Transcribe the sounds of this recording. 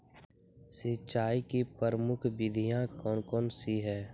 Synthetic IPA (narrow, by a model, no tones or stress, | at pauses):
sɪt͡ʃʃaːikipəɾəmʊkʰʋɪd̪ʱijãkɔːnkɔːnsiɦɛː